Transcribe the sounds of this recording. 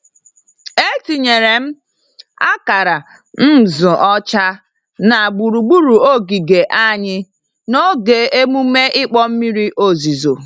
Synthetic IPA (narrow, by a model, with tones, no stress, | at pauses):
e˦ti˨ɲe˨ɾe˨m̩˦ | a˦ka˨ɾa˨ | n̩˦˨zʊ˨ʔɔ˦t͡ʃa˦ | na˨ɡ͡bu˨ɾu˨ɡ͡bu˦ɾu˨o˦ɡi˨ɡe˨ʔa˦ɲɪ˦ | no˦ɡe˨e˦mu˦me˦ʔɪ˦k͡pɔ˦m̩˦mi˦ɾi˦ʔo˦zi˨zo˨